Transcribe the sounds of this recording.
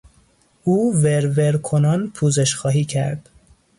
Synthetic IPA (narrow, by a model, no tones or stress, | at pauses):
ʔuːveɾveɾkʰonɒːnpʰuːzeʃxɒːɦiːcʰæ̰ɾd̪̥